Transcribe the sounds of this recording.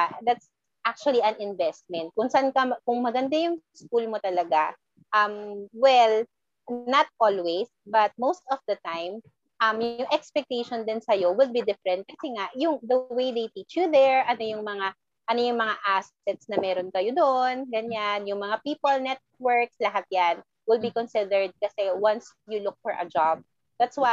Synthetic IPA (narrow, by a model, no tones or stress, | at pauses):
d̪at̪s | ʔak̚t͡ʃʊɐliɐnɪnvɛst̪̚mɛnt̪̚kʊŋsɐʔankɐmkʊŋmɐɡɐnd̪ajʊŋskuːlmot̪ɐlɐɡa | ʔɐmwɛl | nɐt̪̚ʔolwes | bɐt̪̚mowst̪ɔfd̪ɐt̪ãjm | ʔɐmjʊŋʔɛkspɛk̚t̪ejʃond̪ɪnsɐjo̞wɪl̚bid̪ɪfɾɛnt̪̚kɐsɛŋaʔjʊŋd̪ɐwejd̪ejt̪it͡ʃjuðɛɹʔɐno̞jʊŋmɐŋa | ʔɐno̞jʊŋmɐŋaʔas | ɛt̪̚snɐmɛːɾonkɐjod̪oʔnɡɐɲanjʊŋmɐŋapiːpɐlnɛt̪̚wɛɹk̚slɐɦat̪̚jan | wɪlbikɔnsɪd̪ɛɹd̪̚kɐsɛwɐ̃nsjʊlʊk̚fɔɹʔɐ̰d͡ʒab̚ | d̪at̪swa